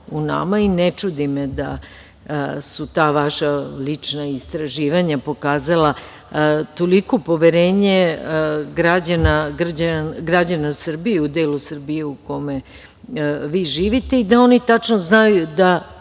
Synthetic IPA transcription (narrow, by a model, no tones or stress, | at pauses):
una̰mainet͡ʃud̪imed̪a̰ | sut̪aːʋaʃalit͡ʂnaist̪ɾaʒiːʋaɲapo̞kaːzala | t̪o̞liko̞po̞ʋeɾe̞ːɲe̞ | ɡɾad͡ʑanaɡr̩d͡ʑaɡɾad͡ʑanasr̩bijeud̪eːlusr̩bije̞uko̞me̞ | ʋiːʒiːʋit̪e̞id̪ao̞nit̪at͡ʃnoznajud̪a